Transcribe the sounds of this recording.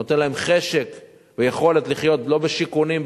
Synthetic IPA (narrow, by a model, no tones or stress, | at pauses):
ot̪enlae̞mχe̞ʃe̞k | vejeχo̞let̪liχjo̞t̪lo̞beʃikunim